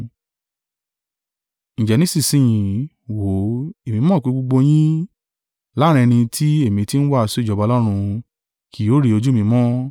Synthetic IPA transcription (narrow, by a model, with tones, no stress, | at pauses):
ñ̩˨d͡ʒɛ˨nĩ˦si˦˨sĩ˨jĩ˨ | wo˨˦e˨mĩ˧mɔ̃˦˨k͡pu˨˧˦ɡ͡bo˧ɡ͡bo˧j̃ĩ˦ | la˦ɾ̃ɛ̃˧nĩ˧tʰi˦e˦˨mĩ˧ti˦ñ̩˦wa˦˨˧so˦˨d͡ʒɔ˨ba˧lɔ˦ɾ̃ũ˧ | kʰi˨jo˨˦ɾi˨˧o˧d͡ʒu˦˨mĩ˧mɔ̃˦